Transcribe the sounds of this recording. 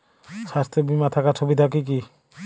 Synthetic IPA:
sast̪ʰebimat̪ʰakat͡ʃʰobit̪ʰakik̬i

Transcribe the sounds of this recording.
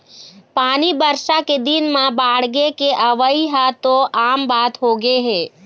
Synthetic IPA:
paːnibəɾʃaked̪ɪnmãbaːɽɡekeʔəʋəiɦat̪oʔaːmbaːt̪ɦoɡeɦɛː

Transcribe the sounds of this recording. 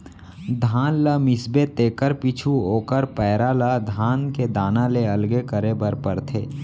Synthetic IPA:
d̪ʱaːnləmɪsbet̪eːkəɾpiːt͡ʃʰuoːkəɾpɛːɾalad̪ʱaːnked̪aːnaleəlɡekəɾebəɾpəɾt̪ʰeː

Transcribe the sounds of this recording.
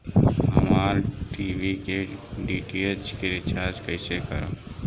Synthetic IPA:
ɦəmaːɾʈiːʋikeɖiːʈiet͡ʃkeɾɪt͡ʃʰaːd͡ʒkəɪsekəɾõ

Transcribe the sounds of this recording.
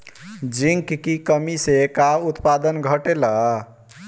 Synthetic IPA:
d͡ʒiŋkkikəmisekaut̪pad̪ənɡʱəʈela

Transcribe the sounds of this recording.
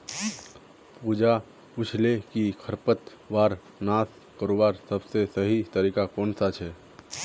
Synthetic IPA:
puːd͡ʒa | pʊt͡ʃʰlekikʰəɾpət̪ | ʋaːɾ | naːs | kəɾoːbaːɾsɐbsesəɦit̪əɾiːkakɔːnsat͡ʃʰɛː

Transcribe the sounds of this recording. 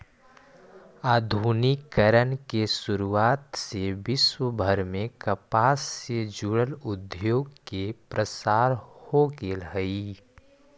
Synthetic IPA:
aːd̪ʱuːnikːəɾənkesʊɾuaːt̪sebɪswəbʱəɾmẽkəpaːsːed͡ʒuɽəlʊd̪joːɡkepɾəsaːɾhoɡelɦəi

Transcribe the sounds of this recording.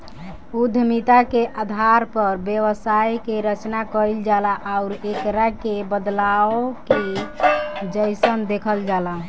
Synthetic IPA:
ud̪ʱmit̪akeʔad̪ʱaɾpəɾbjewəsajkeɾət͡ʃnakəɾild͡ʒalaʔaʊɾekɾakebəd̪laoke | d͡ʒəjsənd̪ekʰəld͡ʒala

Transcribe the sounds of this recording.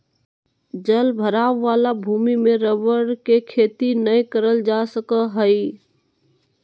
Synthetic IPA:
d͡ʒəlbʱəɾaːʋːaːlabʱuːmimẽɾəʋəɽkekʰeːt̪inəjkəɾəld͡ʒasəkəɦəi

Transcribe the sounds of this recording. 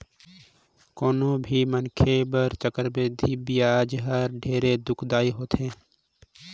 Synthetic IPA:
koːnõbʱimənkʰebəɾt͡ʃəkəɾbeːd̪ʱibijaːd͡ʒɦəɾɖʱeːɾed̪ʊkʰd̪aːiɦoːt̪ɦɛ̃ː

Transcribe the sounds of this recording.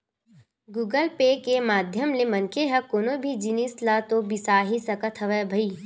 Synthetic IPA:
ɡuːɡəlpeːkemaːd̪ʱjəmlemɐnkeɦɛkoːnobʱid͡ʒɪnislat̪obɪsaːɦisɐkət̪ʰɦɐʋebʱəiː

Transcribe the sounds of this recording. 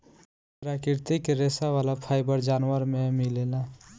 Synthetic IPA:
pɾakɪɾt̪ikɾesaʋaːlapʰaɪbəɾd͡ʒaːnwəɾmemilela

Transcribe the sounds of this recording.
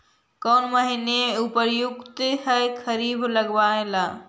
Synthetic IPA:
kɔːnməɦineupəɾjʊkt̪ehəjkʰəɾiːbləɡʋaẽlaː

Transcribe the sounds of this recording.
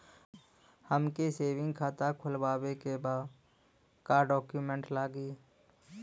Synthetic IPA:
həmkeseːʋɪ̃ŋɡkʰaːt̪akʰʊlwaːwekebaːd̪ | kaɖɔːkjuːmẽɳʈlaːɡiː

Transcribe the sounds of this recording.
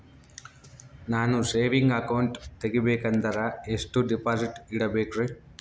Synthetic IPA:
naːnuseːʋiŋɡɐkɐwɳʈt̪eɡibeːkɐnd̪ɐɾɐeʂʈuɖipaːsiʈiɽɐbeːkɾe

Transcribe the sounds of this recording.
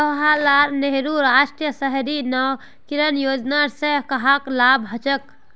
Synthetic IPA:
t̪əɦalaːɾneɦɾuɾaːʃʈjəsəɦɾinɔw | kiɾənjoːd͡ʒnaɾsekɐɦaklaːbɦət͡ʃək̚

